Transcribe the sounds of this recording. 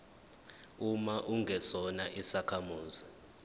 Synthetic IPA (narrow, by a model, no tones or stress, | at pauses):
umaʔuŋɡʱɛsɔnaʔisakʰamuːzi